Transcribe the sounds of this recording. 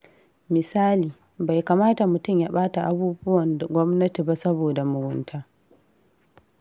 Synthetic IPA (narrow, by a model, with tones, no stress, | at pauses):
mɪ˨saː˦liː˨ | ba˨jka˨maː˦ta˨mʊ˨tʊ˦mja˦ɓaː˦ta˨ʔa˦buː˦bʊ˦wɐ˨nda˨ɡʷɔ˦mnɐ˦ti˨ba˦sɐ˦boː˨da˨mʊ˨ɡʊ˦ntʰaː˦